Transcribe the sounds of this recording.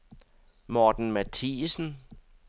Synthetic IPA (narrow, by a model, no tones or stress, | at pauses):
mɒːd̥n̩mæt͡sʰiːsn̩